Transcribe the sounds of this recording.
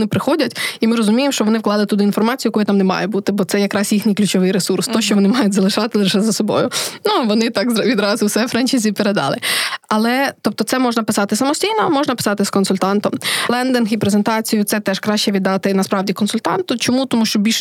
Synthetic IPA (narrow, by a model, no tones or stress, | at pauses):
nɪpɾɪxɔdʲɐtʲimɪɾɔzʊmʲijemʃt͡ʃɔʋɔnɪwklˠɑlˠɪt̪ʊd̪ɪinfɔrmɑt͡sʲijʊjɛkujɛt̪ɑmnemɑ̰jɛbut̪ɪbɔt̪sɛjɐkɾɑsʲjixnʲɨjklʲʉt͡ʃɔʋɪjɾesurst̪ɔʃt͡ʃɔʋɔnɪmɑjʊtʲzɐlˠɪʃɑt̪ɪlˠɪʃɛzɐsɔbɔ̰jʊnuʋɔnɪt̪ɑkzʋʲid̪ɾɑzʊwsɛfɾɛnʲt͡ʃizʲipeɾed̪ɑ̰lˠɪɐlˠɛt̪ɔp̚t̪ɔt̪sɛmɔʒnɐpɪsɑt̪ɪsɐmɔsʲtʲijnɔmɔʒnɐpɪ̥sɑt̪ɪskɔnsʊlʲt̪ɑnt̪ɔmlˠɛnd̪ɪnxipɾezent̪ɑt͡sʲijʊt̪sɛt̪ɛʃkɾɑʃt͡ʃɛʋʲid̪ːɑt̪ɪnɐspɾɑʋdʲikɔnsʊlʲt̪ɑnt̪ʊt͡ʃɔmut̪ɔmuʃt͡ʃɔbʲilʲʃ